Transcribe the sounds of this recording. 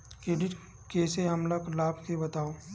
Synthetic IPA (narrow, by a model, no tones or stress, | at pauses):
keːɖɪʈ | keːseɦɐmlɐklaːbkebɐt̪aːoː